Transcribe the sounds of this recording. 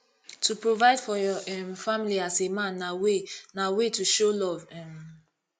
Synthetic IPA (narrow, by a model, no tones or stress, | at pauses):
tʰupɹovaɪdfɔjɔɛmfamiliasemãnːawenawetuʃolɔvɛm